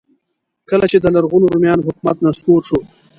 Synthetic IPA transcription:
kəlat͡ʃed̪əlaɾɣunoɾumjɑːnoɦʊkmat̪naskoɾʃo

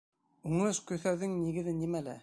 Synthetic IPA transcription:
uŋɤʃkɵ̆θæwðɘŋniɡɘ̆ðɘnimælæ̰

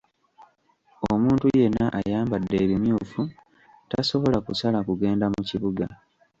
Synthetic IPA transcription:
omuːntuje̞nːaʔajaːmbadːe̞ːβimjuːfu | taso̞βo̞lakusalakuɡe̞ːndamuciβuɡa

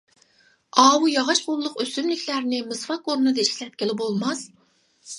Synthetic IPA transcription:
ɑːwujɑʁɑʃqʊlˠːʊqøsymlɪkʲʰlæɾnɪmɨsfɑkoɾnɨd̪ɑiʃkʲlɛt̪̚kʲʰelɪbolˠmɑs

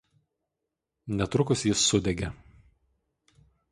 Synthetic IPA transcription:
nʲɛt̪ɾʊkʊsjɪsːʊd̪ʲɛɡʲɛ

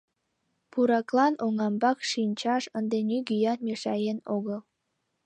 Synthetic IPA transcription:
puɾɑklɑnoŋɑmbɑkʃinʲt͡ɕɑʃənd̪enʲyɡyjɑnmeʃɑjenoɣəlˠ

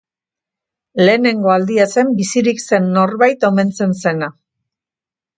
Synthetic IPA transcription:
le̞ːne̞ŋɡo̞ald̪iase̞mbisiɾikse̞nːo̞ɾβajt̪o̞me̞nt͡se̞nse̞na

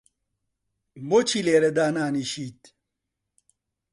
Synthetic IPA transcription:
mot͡ɕʰileːɾed̪aːnaːniɕit̪

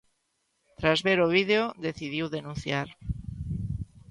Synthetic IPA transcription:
t̪ɾazβeɾoβ̞iðeoðeθiðiwðenũnθjaɾ

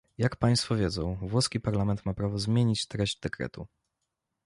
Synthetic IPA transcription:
jakpaj̃st̪fɔvʲjɛdzɔ̃w̃vwɔskʲipaɾlamɛnt̪mapɾavɔzmʲjeɲit͡ɕt̪ɾɛʑd͡ʑd̪ɛkɾɛ̰t̪u

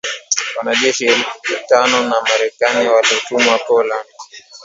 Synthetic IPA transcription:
wanaʄɛʃitanɔnamaɾɛkaniwaliɔtumwakɔland

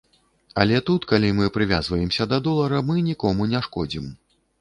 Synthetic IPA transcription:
ɐlʲɛt̪ut̪kalʲimɨpɾɨvʲazvɐjɛmsʲɐd̪ɐd̪ɔlˠɐɾɐmɨnʲikɔmunʲɛʂkɔd͡zʲim

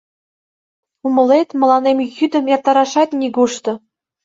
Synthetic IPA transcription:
umɤ̆lʲˠet̪ʲmɤ̆lˠɑnemʲjyd̪ʲɘ̆mjɑrt̪ɑɾɑʂɑt̪ʲnʲiɡuʃt̪ɤ̆

